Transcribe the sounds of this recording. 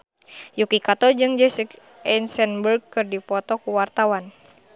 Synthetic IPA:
jukikat̪ɔd͡ʒɨŋd͡ʒɛsik | ɛnsɛnbərɡkːɨrdipɔt̪ɔkuwart̪awan

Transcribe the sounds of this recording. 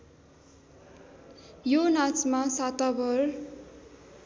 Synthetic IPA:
jonat͡smasat̪abʌr

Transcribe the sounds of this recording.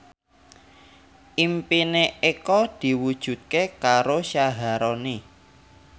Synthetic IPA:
ʔimpineekɔd̪̥i̤wud̥ʒ̥ṳt̪̚kekaɾoʃaɦaɾɔni

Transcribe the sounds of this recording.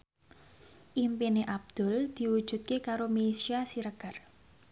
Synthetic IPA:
ʔimpineʔab̚d̪̥ʊ̤ld̪̥i̤wu̥ʒ̥ṳt̪̚kekaɾomesiasiɾəɡ̥a̤r

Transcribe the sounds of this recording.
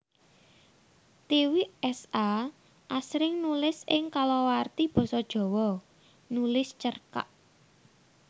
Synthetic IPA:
t̪iwiɛsa | ʔasɾɪŋnulɪsɪŋkalɔwart̪ib̥ɔ̤sɔd̥ʒ̥ɔ̤wɔ | nulɪst͡ʃərka̰ʔ

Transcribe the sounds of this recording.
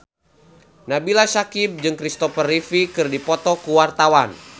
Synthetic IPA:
nabilasakib̚d͡ʒɨŋkɾist̪ɔfərifikɨrdipɔt̪ɔkuwart̪awan

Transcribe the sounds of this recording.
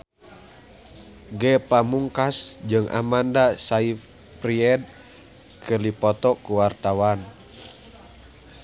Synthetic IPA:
ɡɛpamuŋkasd͡ʒɨŋʔa̰mandasai | pɾiɛd̪̚ | kʰərlipɔt̪ɔkuwart̪awan

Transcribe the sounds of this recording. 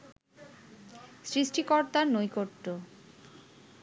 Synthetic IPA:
sɾiʃʈikɔɾt̪aɾnojkoɾʈ̪ːo

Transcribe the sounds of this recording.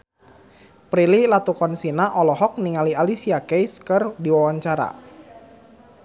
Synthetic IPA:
pɾililat̪ukɔnsinaʔɔlɔɦɔk̚niŋalialisiakejskərdiwawaɲt͡ʃaɾa̰

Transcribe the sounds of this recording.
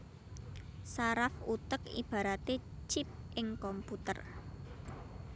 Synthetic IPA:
saɾafut̪əkḭb̥a̤ɾat̪et͡ʃɪp̚ʔɪŋkɔmput̪ə̰r

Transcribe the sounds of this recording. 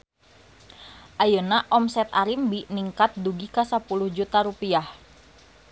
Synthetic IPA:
ʔajənaʔɔmsɛt̪aɾimbiniŋkat̪̚duɡikasapuluhd͡ʒut̪aɾupiah

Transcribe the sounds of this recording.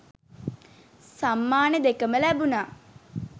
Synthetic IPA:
samːaːned̪ekəməlæbunaː

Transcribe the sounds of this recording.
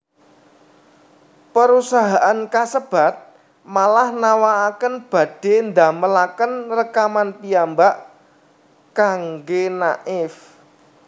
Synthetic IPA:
pəɾusaɦaʔankasəb̥a̤t̪̚ | malahnawaːkənb̥ä̤d̪̥e̤nd̪aməlakənrəkamanpiambaʔ | kaŋɡenaʔɪf

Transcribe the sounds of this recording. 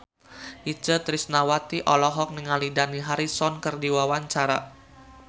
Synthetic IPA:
ʔit͡ʃət̪ɾisnawat̪iʔɔlɔɦɔk̚niŋalidaniɦaɾisɔnkərdiwawaɲt͡ʃaɾa

